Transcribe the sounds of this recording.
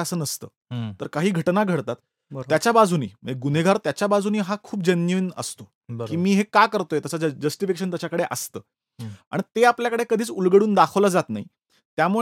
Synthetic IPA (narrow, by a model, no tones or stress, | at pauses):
əsəːnəst̪ə̰ː | t̪əɾkaɦiːɡʱəʈnaɡʱəɽt̪at̪ | əjat͡ɕabad͡zʱunḭːməd͡ʑeɡuneɡʱaɾt̪jat͡ɕjabad͡zʱuniːɦakʰuːp̚d͡ʑənjiːnə̰st̪o | kiːmiːɦekakəɾt̪ojet̪əsad͡ʑəsʈifikeɕənt̪jat͡ɕakəɽeʔəst̪ə̰ː | a̰ɳt̪eapljakəɽekəd̪ʱiːt͡sulɡəɽuːnd̪akʰəʋlad͡zat̪na̰ɦḭ | t̪jamuɭ